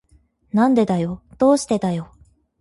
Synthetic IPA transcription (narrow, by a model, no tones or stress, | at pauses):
nãnd̪e̞d̪ajo̞d̪̥o̞ːɕi̥t̪e̞d̪ajo̞